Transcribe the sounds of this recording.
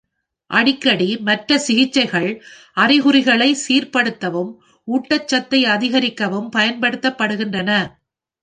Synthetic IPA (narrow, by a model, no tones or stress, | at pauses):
ʔɐɽɪkːɐɽimɐʈrɐsɪɣɪt͡ʃːɐɪɣɐɭ | ɐrɪɣɯɾɪɣɐɭɐɪsiːrpɐɽɯt̪ːɐʋɯm | uːʈːɐt͡ʃːɐt̪ːɐɪɐðɪɣɐɾɪkːɐʋɯmpɐjɐnpɐɽɯt̪ːɐpːɐɽɯɣɪndrɐnɐ